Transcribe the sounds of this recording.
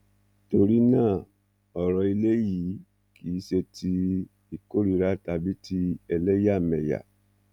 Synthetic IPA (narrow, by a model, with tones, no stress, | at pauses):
to˧ɾi˦nãː˦˨ | ɔ˨ɾɔ˧i˧le˦ji˨˦ | ki˨˦ʃe˧tʰi˧ | i˨ko˦ɾi˨˧ɾa˦ta˧bi˦tʰi˧ɛ˧lɛ˦ja˦˨mɛ˨ja̰˨